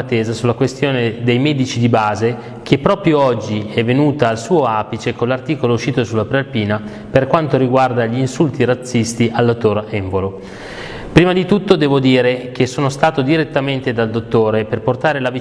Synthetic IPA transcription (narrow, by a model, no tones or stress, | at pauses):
at̪ːeːzasulakwest̪joːned̪ejmɛd̪it͡ʃid̪ibaːze | kʰepːɾɔːpɾjoɔd͡ʒːiɛvːenuːt̪aːlsuːoapit͡ʃekonlːart̪iːkolouʃːiːt̪osulapɾealpiːna | perkwant̪oɾiɡward̪aʎiːnsult̪iɾat̪sːist̪iʔalːat̪ːoɾɛɱvolo | pɾiːmad̪it̪ut̪ːod̪ɛːvod̪iːɾek̟esːoːnost̪aːt̪od̪iɾet̪ːament̪ed̪ald̪ot̪ːoːɾeperport̪aːɾelavi